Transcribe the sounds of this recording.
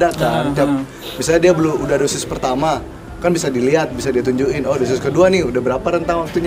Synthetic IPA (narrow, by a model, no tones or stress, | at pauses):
dat̪aŋd͡ʒap̚ | misalɲadiabəlumudadosɪspərt̪ama | kanbisadiliɦat̪̚bisadiat̪uɲd͡ʒuɪnodos̬ɪskəduanɪudahbəɾapaɾənt̪aŋwak̚t̪uɲ